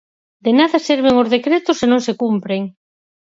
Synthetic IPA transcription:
d̪enaðasɛɾβ̞eŋozðekɾet̪ʊsenõŋsekumpɾeŋ

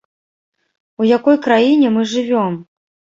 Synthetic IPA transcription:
ujakɔjkɾajinʲɛmɨʐɨvʲɔm

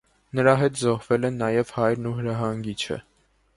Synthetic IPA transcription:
nəɾɑɦɛt̪zɔhvɛlɛnːɑjɛv̥hɑjɾnuɦəɾɑɦɑŋɡit͡ʃʰə̰

